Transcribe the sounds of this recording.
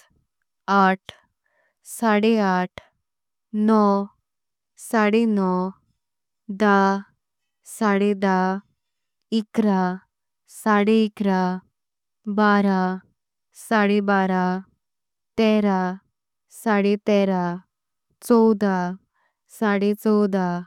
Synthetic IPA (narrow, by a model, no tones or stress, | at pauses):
aʈʰ | saɽeaʈʰ | nɔ | saɽenɔ | d̪a | saɽed̪a | ikɾa | saɽeikɾa | baɾa | saɽebaɾa | t̪ɛɾa | saɽet̪ɛɾa | t͡sɔwd̪a | saɽet͡sɔwd̪a